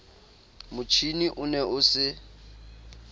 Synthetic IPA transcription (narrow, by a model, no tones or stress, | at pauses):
mʊt͡ʃʰiniʔʊnɛʔʊsɪ